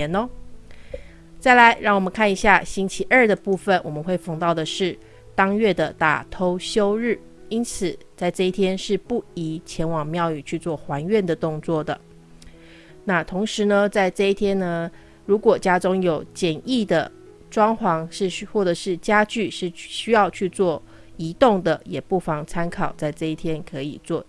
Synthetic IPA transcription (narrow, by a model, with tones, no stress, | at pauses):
ɛ˧˥nɔ˧˦ | t͡sa˥˩ɪla˧˥ɪɻɑ˥˩ŋwɔ˨˩mə˦nkʰa˥˩ni˧˥ɕja˥˩ɕi˥nt͡ɕʰi˧˥ʔə˞˥˩d̪ə˩pu˥˩fə˨˩nwɔ̰˨˩mə˦nxwe˥˩ɪfɑ˧˥ŋt̪ɑ˥˩ʊd̪ə˩ʂɻ̩˥˩ | t̪ɑ˥ŋɥɛ˥˩d̪ə˩t̪a̰˨˩t̪ʰo˥ʊɕjo˥ʊɻɻ̩˥˩ | i˥nt͡sʰɹ̩˨˩t͡sa˥˧ɪʈ͡ʂɤ˥˧i˥˩t̪ʰjɛ˥nʂɻ̩˥˧pu˥˩i˧˥t͡ɕʰjɛ˧˥nwɑ˨˩ŋmjɑ˥˧ʊy˨˩t͡ɕʰy˥˧t͡swɔ˥˩xwa˧˥nɥɛ˥˩nd̪ə˩t̪ʊ˥˧ŋt͡swɔ˥˩d̪ə̰˩ | na˥˩t̪ʰʊ˧˥ŋʂɻ̩˧˦nə˧t͡sa˥˧ɪʈ͡ʂɤ˥˧i˥˩t̪ʰjɛ˥nnə˧ | ɻu˧˥kwɔ˨˩t͡ɕja˥ʈ͡ʂʊ˥ŋjo˨˩ʊt͡ɕjɛ˨˩ni˥˩d̪ə˩ | ʈ͡ʂwɑ˥ŋxwɑ˧˥ŋʂɻ̩˥˧˥xwɔ˥˩ʈ͡ʂɤ˨˩ʂɻ̩˥˩t͡ɕja˥t͡ɕy˥˧ʂɻ̩˥˩ɕy˥jɑ˥˧ʊt͡ɕʰy˥˧t͡swɔ˥˩ | i˧˥t̪ʊ˥˩ŋd̪ə˩jɛ˨˩pu˥˩fɑ˧˩ŋt͡sʰa˥nkʰɑ˨˩ʊt͡sa˥˧ɪʈ͡ʂɤ˥˧i˥˩t̪ʰjɛ˥nkʰɤ˧˥ḭ˨˩t͡swɔ˥˩